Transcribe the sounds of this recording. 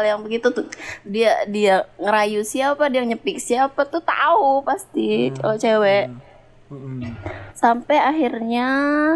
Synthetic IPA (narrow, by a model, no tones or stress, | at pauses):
aljaŋbəɡit̪ut̪udiadiaŋəɾajusiapadiaŋɲəpɪk̚siaːpat̪ut̪a̰upast̪it͡ʃa̰lot͡ʃewɛʔ | sampɛaɦirɲa